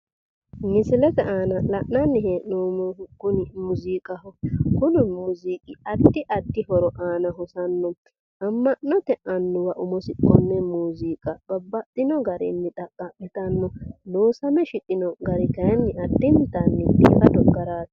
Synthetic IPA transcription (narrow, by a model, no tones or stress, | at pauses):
mɪsɪlɛt̪ɛʔaːnɐlɐʔnɐnːɪɦeːʔnoːmɔkʊnɪmʊziːkʼɐhɔkʊnɪmʊziːkʼɪɐd̪ːɪʔɐd̪ːɪhɔɾɔʔaːnɐɦɔsɐnːɔ | ɐmːɐʔːɔt̪ɛʔɐnːʊwɐʔʊmɔsɪkʼːɔnːɛmuːziːkʼɐbɐbːɐt̪ʼːɪnɔɡɐɾɪ̰nːɪt̪ʼɐkʼːɐʔɛt̪ɐnːɔloːsɐmɛʃɪt̪ʼɪnɔɡɐɾɪkɐjɛnːɪɐd̪ːɪnt̪ɐnːɪb̪ḭːfɐd̪ɔɡːɐɾaːt̪